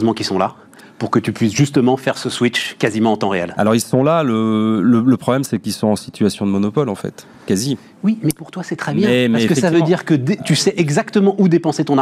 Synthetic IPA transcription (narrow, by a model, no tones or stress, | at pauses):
zmɑ̃kʲisɔ̃la | puʁkət̪ypɥisʒyst̪əmɑ̃fɛʁsəswit͡ʃkazimɑ̃ɑ̃t̪ɑ̃ʁeɛ̰la̰lɔʁilsɔ̃lalələləpχɔblɛmsɛkilsɔ̃ɑ̃sit̪ʰɥasjɔ̃d̪əmɔnɔpɔlɑ̃fɛ̰t̪ | kazi | wimɛpuʁt̪wasɛt̪χɛbjɛ̃ɛɛmaɛskəfɛsavød̪iʁkəd̪et̪ysɛʔɛɡzakt̪əmɑ̃ʔud̪epɑ̃set̪ɔ̃n